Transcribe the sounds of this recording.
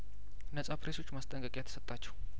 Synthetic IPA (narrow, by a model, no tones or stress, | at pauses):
nəsʼapɾeso̞t͡ʃːmast̪ʼəŋkʼəkʼjɛt̪ʰəsət̪ʼːat͡ʃːɛw